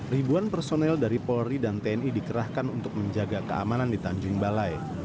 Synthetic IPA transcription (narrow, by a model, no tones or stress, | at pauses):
ribuanpərsonɛldaɾipɔɾidant̪eɛnidikəɾahkanunt̪ʊk̚məɲd͡ʒaɡakəa̰manandit̪aɲd͡ʒʊŋbalaj